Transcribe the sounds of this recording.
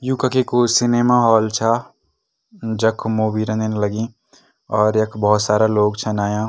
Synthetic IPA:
jũːkakekosɪneːmaɦɔːlt͡ʃʰaː | d͡ʒɐkʰmoːbiːɾə̃nenlɐɡĩː | ɔːɾjɐkʰbɔɦʊt̪saːɾaloːɡt͡ʃʰɐnaːjãː

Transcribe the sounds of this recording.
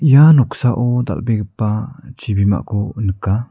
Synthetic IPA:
janɔksaʔod̪a̰lbeɡəpat͡ʃibima̰ʔkonəka

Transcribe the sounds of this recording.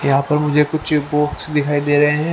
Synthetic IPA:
jɐɦãːpɐɾmʊd͡ʒʱekʊt͡ʃʰpoːksd̪ɪkʰaːid̪eːɾɐɦeɦɛ̃ː

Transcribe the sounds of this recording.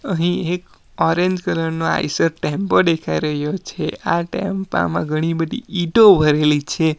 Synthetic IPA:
əɦĩek | ɔɾeɲd͡ʒkələɾnoa̰isəɾʈɛ̃mpəd̪ekʰaiɾəɦjot͡ʃʰeaʈɛ̰mpa̰mãɡʱəɽ̃ibəd̪ḭiʈobʱəɾelit͡ʃʰe

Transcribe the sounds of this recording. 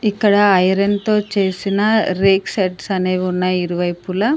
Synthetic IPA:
ikːɐɽɐːjɐɾent̪o̞ːt͡ʃe̞ːsinɐɾeːkseʈsɐneːunːɐiɾuʋɐjpulɐ

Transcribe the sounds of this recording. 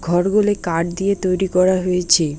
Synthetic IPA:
ɡʱɔɾɡolekaɖ̚d̪ijet̪ojɾikɔɾaɦojet͡ɕʰe

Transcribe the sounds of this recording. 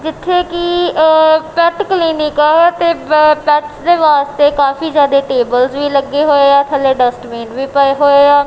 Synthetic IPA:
d͡ʒɪt̪ʰːeːkɪ | pɛʈkliːnɪkaːt̪eːpɛʈsd̪eːʋaːst̪eːkaːpʰiːzjaːd̪eːʈeːbəlsʋiːləɡeːɦoːeːaːt̪ʰəleːɖəsʈmiːnʋiːpəeɦoːeːaː

